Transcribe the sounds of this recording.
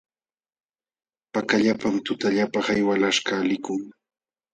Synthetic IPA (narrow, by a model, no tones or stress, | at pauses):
pakaʎapamt̪ʊt̪aʎapaχajwalaʃkalɪkʊŋ